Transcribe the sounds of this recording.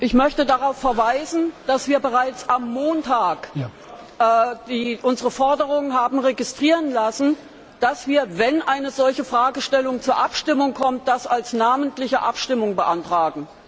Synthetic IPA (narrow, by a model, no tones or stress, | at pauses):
ʔɪçmœçtədaʁaʊfːɛɐvaɪzn̩d̥asv̥iːɐbəʁaɪt͡sʔamːoːntʰaːk | ʔɛːdiːʔʊnzəʁəfɔɐdəʁʊŋənɦaːbm̩ʁeɡɪstʁ̥iːʁənlasn̩ | d̥asv̥iːɐvɛnʔaɪnəzɔlçəfʁ̥aːɡəʃtɛlʊŋt͡suːɐʔapʃtɪmʊŋkʰɔmt̚d̥asalsnaːməntlɪçəʔa̰pʃtɪmʊŋbəʔantʁ̥aːɡŋ̩